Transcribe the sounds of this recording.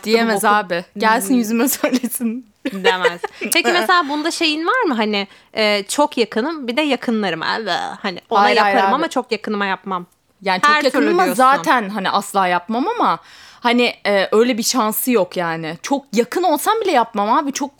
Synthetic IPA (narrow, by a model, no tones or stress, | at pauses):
d̪̥ijemɛzaːbɪɟælʲsinjyzymɛsøjlʲesin | dd̪emɛz̥pʰecimeselʲaːbund̪aʃe̞jinvaɾmɯɦanɪ | ɛːt͡ʃʰo̞kjakʰɯnɯmbid̪ɛjakʰɯnlˠaɾɯmɛ̰lɛ̰hanɪ̰ʔonaɾjaaɾmamat͡ʃʰo̞kjakʰɯnɯmajapmam | jaːnit͡ʃht͡ʃoæɾkjayɾnmazaːt̪ʰænɦaniʔaslˠaːjapmamamahanɪɛːʔø̞jlʲɛbiʃansɯjokjaːnɪt͡ʃʰo̞k̚jakʰɯno̞lˠsanbilʲɛjap̚mamaːbit͡ʃʰo̞k̚